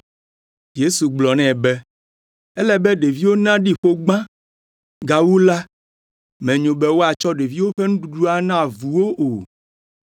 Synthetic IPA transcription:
je˦su˨ɡ͡blɔ˨nɛ̃˦˨bɛ˦ | ɛ˦lɛ˦bɛ˦ɖe˨vi˦wo˦nã˦ɖi˦ɸo˦ɡ͡bã˦ | ɡa˨wu˦la˦ | mɛ̃˨ɲõ˨bɛ˦wo˦a˨t͡ʃɔ˦ɖe˨vi˦wo˦ɸɛ˦ŋũ˦ɖu˨ɖu˦a˨nã˦˨vu˨wo˦ʔo˨

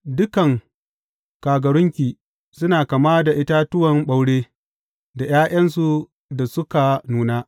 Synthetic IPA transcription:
dʊ˦kɐ˨ŋ | kaː˨ɡɐ˨ɾʊ˦ŋkʲiː˨ | sʊ˦naː˨kɐ˨maː˦da˨ʔɪ˦ta˦tʊ˦wɐ˨mɓa˦wɽeː˦ | da˨jaː˦ʔɐ˦nsu˨ | da˨sʊ˦ka˨nuː˨naː˦

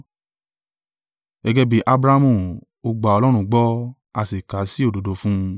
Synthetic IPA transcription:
ɛ˧ɡɛ˧bi˨ʔa˧bɾa˦mũ˨ | o˧ɡ͡ba˨ɔ˧lɔ˦ɾ̃ũ˧ɡ͡bɔ˦ | a˧si˨ka˨˦si˦o˦˨do˨do˨˦fũ˦˧

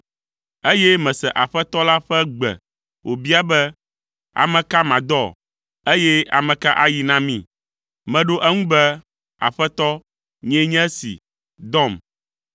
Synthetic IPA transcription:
e˦jɛ˦mɛ̃˨sɛ˨ʔa˨ɸɛ˦t̪ɔ˦la˦ɸɛ˦ɡ͡bɛ̰˨ | wʔo˨bi˦a˦bɛ˦ | a̰˨mɛ̃˨ka˦mã˨d̪ɔ˦˨ | e˦jɛ˦a̰˨mɛ̃˨ka˦ʔa˦ji˨nã˦mĩ˦˨ | mɛ̃˨ɖo˦ʔɛ˦ŋũ˦bɛ˦ | a̰˨ɸɛ˦t̪ɔ˦ | ɲɛ̃˦ɲɛ̃˦sḭ˨ | d̪ɔ˦˨m

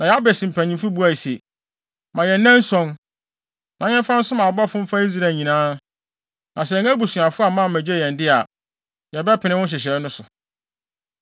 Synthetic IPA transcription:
nã˨jɛ˨˦a˦bɛ˨sĩ˨m˨pʰæ˨ɲĩ˨mfu˦bu˦a˨i˨se˨ | mã˨jɛ˨n˦nːɛ̃˦n˦sɔ̃˦n | nã˨˦ɲɛ̃˦m˦fã˦n̩˦sʊ̃˦mã˨bɔ˦˨fʊ̃˦m̩˦fa˦i˦z̬ɾa˨ɲĩ˨nãː˦ | nʔã˨sɛ˨ŋæ̃˦bu˨sũ˨a˨fʊ˦a˨mã˦˨mæ̃˨d͡ʑe˦jɛ̃˨ndɪ˦a˨ | jɛ˨bɛ˦pʰɪ˨nɪ̃˦wʊ̃˦nɕ̬ɪ˨ɕ̬ɛ˨˦nʊ̃˦sʊ˨

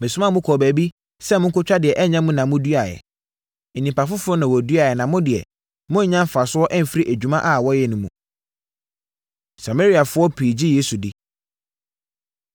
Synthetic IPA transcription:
mɪ̃˨sʊ˦mã˦˨mʊ̃˦kʰɔ˨bæ˨bi˦ | sɛ˦mʊ̃˦ŋ˦kʰʊ˦t͡ɕᶣa˦dɪ˨ɛ˨ʔɛ˦ɲã˦mʊ̃˦nã˨mʊ̃˦du˦a˨jɛ̰˨ | nĩ˨mpa˨fʊ˦fʊ˦ɾʊ˦nã˨wɔ˨du˦a˨ɛ˨nã˨mʊ̃˦dɪ˨ɛ̰˨ | mʊ̃˦ɲ̩˨˦ɲã˦m˦fa˨sʊ˦ɔ˦ʔɛ˦m̩˨fi˦ɾi˦ʔæ˨d͡ʑᶣu˨˦mã˦ʔa˦˨wɔ˦jɛ˨nʊ̃˦mũ˨ | sa˨me˦ɾi˦a˨fʊ˦ɔ˦pʰiː˨d͡ʑi˦je˦su˨dɪ˦

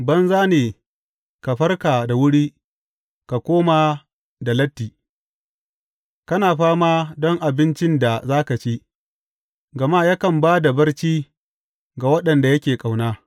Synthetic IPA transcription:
bɐ˦nzaː˦neː˨ | ka˨ɸɐ˦rkaː˨da˨wʊ˦ɽiː˦ | ka˨kʷoː˦ma˨ | da˨lɐ˦tːiː˨ | kɐ˦naː˨ɸaː˦maː˦dɔ˦ŋʔa˨bɪ˦nt͡ʃɪ˦nda˨zaː˦ka˨t͡ʃi˦ | ɡɐ˨ma˦ja˦kɐ˨mbaː˦da˨bɐ˦rt͡ʃiː˦ | ɡa˨wɐ˦ɗɐ˨nda˨jɐ˦kʲeː˨kʼa˨wnaː˦

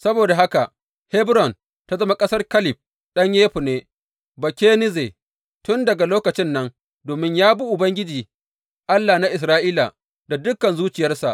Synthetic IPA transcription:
sɐ˦boː˨da˨ɦa˦ka˨ʔ | hɛ˦bɾɔ˨n | ta˦zɐ˦ma˦kʼɐ˦sɐ˦rkɐ˦lɪ˨b̚ | ɗɐ˦ɲjeː˦ɸu˨neː˦ | bɐ˨kʲeː˦nɪ˦ze˨ | tʊ˦ndɐ˨ɡa˨loː˦kɐ˨t͡ʃɪ˦nːɐ˦n | doː˨mɪ˦ɲjaː˦bu˦ʔʊ˨bɐ˦ŋɡʲɪ˦d͡ʒiː˨ | ʔa˦lːaː˨na˦ʔɪ˨s̬ɾaː˦ʔiː˦la̰˨ | da˨dʊ˦kːɐ˨nzuː˦t͡ʃɪ˨jɐ˦rsa̰˨ʔ

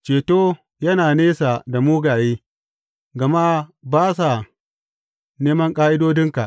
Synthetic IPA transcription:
t͡ʃeː˨toː˦ | jɐ˦naː˨neː˦sa˨da˨muː˦ɡaː˨jeː˦ | ɡɐ˨ma˦baː˦sa˨ | neː˦mɐ˦ŋkʼaː˦ʔɪ˦doː˦dɪ˦ŋka˨

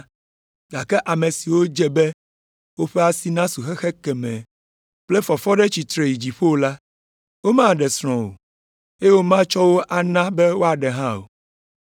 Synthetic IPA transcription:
ɡa˨kɛ˦ʔa˨mẽ˨si˨wo˦d͡ʒɛ˦bɛ˦ | wo˦ɸɛ˦a˨si˨nã˦su˨xɛ˦xɛ˦kɛ˨mɛ̃˨ | plɛ˦fɔ˨fɔ˦ɖɛ˦t͡ɕi˨t̪ɾe˨ji˨d͡ʑi˨ɸo˦o˦la˦ | wo˦mã˦˨ɖɛ˨sɾ̃ɔ̃˨wo̰˨ | e˦wo˦mã˦t͡ʃɔ˦wo˦ʔa˨nã˦bɛ˦wo˦a˨ɖɛ˨ɦã˦o̰˨

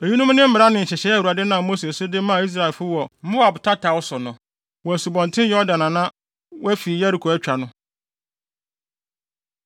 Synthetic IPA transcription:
e˨ɲi˦nʊ̃˦m˦nɪ̃˦m̩˦mɪ˨ɾa˦nɪ̃˨n̩˨ɕɛ˨ɕɛ˨˦˨u˨a˨dɛ˦nã˨mo˦se˨sʊ˦dɪ˦mã˦˨i˦s̬ɾa˨ɛ˨fʊ˦wɔ˨˦mʊ̃˦wa˨bʊ˨tʰa˦tʰa˨wɔ˦sʊ˨nʊ̃˨ | wɔ˨æ˨su˨bɔ̃˨ntʰɪ̃˦jɔ˦dã˨nã˨nã˦ | wæ˦fi˨jæ˦ɾi˨kʰo˨æ˦t͡ɕᶣa˨nʊ̃˦

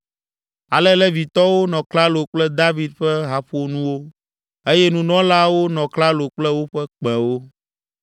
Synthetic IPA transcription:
a˨lɛ˦lɛ˦vi˨t̪ɔ˦wo˦nɔ̃˨kla˦lo˨k͡plɛ˦d̪a˦vi˦d̪̚ɸɛ˦ɦa˨ɸo˦nũ˦wo˦ | e˦jɛ˦nũ˨˦nɔ̃˦la˦wo˦nɔ̃˨kla˦lo˨k͡plɛ˦wo˦ɸɛ˦k͡pɛ̃˨wo˦

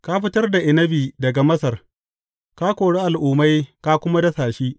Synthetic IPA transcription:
ka˦ɸɪ˦tɐ˦rda˨ʔɪ˨nɐ˦biː˨dɐ˨ɡa˨mɐ˦sɐ˨r | kaː˦kʷoː˨ɽe˦ʔa˨lʔʊː˨ma˦jka˦kʷʊ˦ma˦dɐ˦saː˨ʃiː˦

